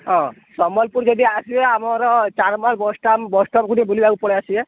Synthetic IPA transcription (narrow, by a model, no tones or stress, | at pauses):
ɦɔ̃sɔmɔlpuɾd͡ʒod̪iasieamɔɾɔt͡ʃaɾmalbɔsʈambɔsʈɔmkuɽibʱulibaupɔɽeasie